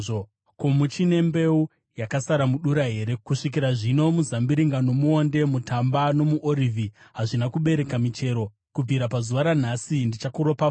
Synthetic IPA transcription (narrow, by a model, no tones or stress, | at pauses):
o | komut͡ʃine̞mbe̞u | jakasaɾamuɗuɾaɦe̞ɾe̞kuʂikiɾaʐino̞muzambiɾiŋɡano̞muo̞nde̞mutambano̞muʔoɾivʱiɦaʐinakuɓe̞ɾe̞kamit͡ʃe̞ɾo̞ | kub͡viɾapazuʋaɾan̤asindit͡ʃakuɾo̞pa